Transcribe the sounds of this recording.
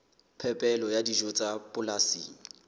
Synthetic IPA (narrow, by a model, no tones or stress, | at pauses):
pʰɛpʼɛlɔjadid͡ʒʊt͡sʼapʼʊlasiːŋ̩